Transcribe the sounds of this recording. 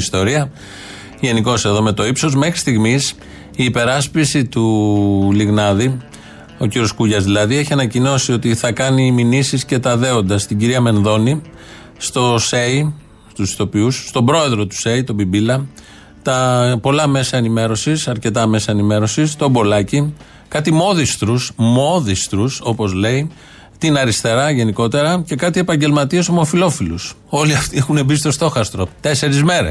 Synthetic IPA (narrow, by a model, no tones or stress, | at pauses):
st̪o̞ɾiɐ | ʝe̞niko̞se̞ðo̞me̞t̪o̞ipso̞zme̞xɾi̥st̪iɣmis | iːpe̞ɾɐspisit̪uliɣnɐði | o̞ciɾio̞skuʝɐzðilɐðieçiɐnɐcino̞sio̞t̪iθɐkɐniminisisce̞t̪ɐðe̞o̞nd̪ɐst̪iɟiɾiɐme̞nðo̞ni | st̪o̞se̞i | st̪usi̥t̪o̞piusːt̪o̞bɾo̞e̞ðɾo̞t̪u̥se̞it̪o̞bibilɐ | t̪ɐpo̞lɐme̞sɐenime̞ɾo̞sisɐɾce̞t̪ɐme̞sɐenime̞ɾo̞sist̪o̞bo̞lɐci | kɐt̪imo̞ðist̪ɾusmo̞ðist̪ɾuso̞po̞zle̞i | t̪inɐɾist̪e̞ɾɐʝe̞niko̞t̪e̞ɾɐce̞kɐt̪ie̞pɐɲɟe̞lmɐt̪iɐsomo̞filofilus | o̞liɐft̪iexunebist̪o̞st̪o̞xɐst̪ɾo̞t̪e̞se̞ɾizme̞ɾes